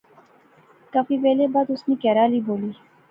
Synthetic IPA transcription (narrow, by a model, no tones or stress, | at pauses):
kafiːpɛːlebaːd̪ʊsnẽːkɛːɾaːliːboːliː